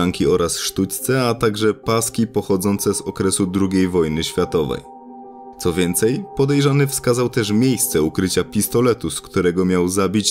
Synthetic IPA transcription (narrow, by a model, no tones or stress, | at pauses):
aŋkʲiɔɾʔasʂt̪ut͡ɕt̪sɛat̪aɡʐɛpaskʲipɔxɔd̪zɔnt̪sɛzɔkɾɛsud̪ɾuɡʲejvɔjnɘɕfʲjat̪ɔvɛ̰j | t̪sɔvʲjɛnt̪sɛjpɔd̪ɛjʐanɘfskazawt̪ɛʂmʲjejst̪sɛukɾɘt͡ɕapʲist̪ɔlɛt̪uskt̪uɾɛɡɔmʲjawzabʲit͡ɕ